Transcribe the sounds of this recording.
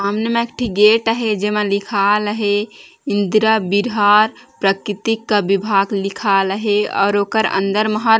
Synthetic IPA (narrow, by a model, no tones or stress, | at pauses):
amnəmekʈiɡeʈəɦed͡ʒemẽlikʰaləɦe | ind̪ɾabiɾɦaɾpɾəkɾit̪ikːabibʱaːɡlikʰaləɦeɔ̰ːɾoːkəɾə̰̃nd̪əɾməɦa